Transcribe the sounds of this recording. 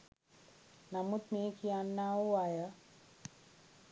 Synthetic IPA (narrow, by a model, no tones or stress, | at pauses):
namut̪meːkijanːaːuajə